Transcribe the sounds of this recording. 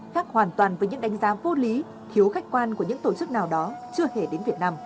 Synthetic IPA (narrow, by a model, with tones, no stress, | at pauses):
xaː˦˥k̚hwaː˨˩nt̪waː˨˩nvəː˨˦jɲɨ̰˧˥ŋɗa˨˦ŋ̟zaː˨˦vo˨˧li˨˦ | t̪ʰi˨˦əwxa˦˥jk̟̚kwaː˧nku˧˩əɲɨ̰˧˥ŋt̪o˧˩t͡ɕɨ˦˥k̚naː˨˩wɗɔ˨˦t͡ɕɨ˧əhe˧˩ɗe˨˦nvi˨˩ət̚naː˧m